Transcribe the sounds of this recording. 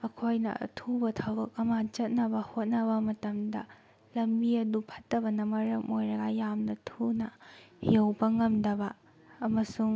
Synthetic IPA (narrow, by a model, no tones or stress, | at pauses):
ɐkʰojnɐ̰ɐ̰tʰubɐtʰawɾɐk̚ɐmɐt͡ʃɐt̚nɐbɐhot̚nɐβɐmɐtɐmdɐ | lɐmbiɐdupʰɐtːɐβɐnɐmɐɾɐmojɾɐɡɐjamnɐtʰunɐhewbɐŋɐmdɐbɐː | mɐsuŋ